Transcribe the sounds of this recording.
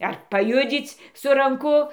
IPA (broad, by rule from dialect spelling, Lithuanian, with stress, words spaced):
ɐr pɐˈjʊd͡zʲiːt͡sʲ sʊ rɐŋˈkʊ